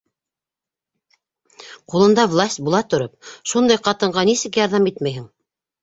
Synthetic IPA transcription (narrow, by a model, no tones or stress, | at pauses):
qulˠɤ̆nd̪ɑvlˠasʲt̪̚ʲbulˠɑt̪ŏɾɤp̚ʃund̪ɑjqɑt̪ɤ̆ɴɢɑnisɘkjɑɾðɑmit̪mæjɦɘŋ